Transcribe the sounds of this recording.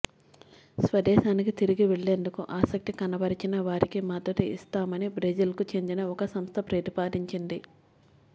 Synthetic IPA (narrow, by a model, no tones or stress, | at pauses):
sʋɐd̪ɛːʃaːnikit̪iɾiɡiʋeɭːe̞ːnd̪ukuʔaːsɐk̚t̪ikɐnɐbɐɾit͡ʃinɐʋaːɾikimɐd̪ɐt̪iḭst̪aːmɐnibɾed͡ʒɐlkut͡ʃe̞nd̪inɐɔkɐsɐmst̪ʰɐpɾet̪ipaːd̪iɲt͡ʃind̪i